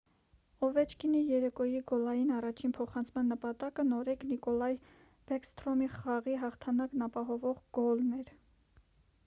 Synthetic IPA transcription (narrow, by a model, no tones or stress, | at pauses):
ɔvɛt͡ʃʰkinijɛɾɛkɔjiɡɔlɑjinɑrɑt͡ʃʰinpʰɔχɑnt͡sʰmɑnːəpɑt̪ɑkənɔɾɛknikɔlɑj | b̥ɛkst̪ɾɔmiχɑʁiɦɑχt̪ʰɑnɑknɑpɑɦɔvɔʁɡɔlnɛɾ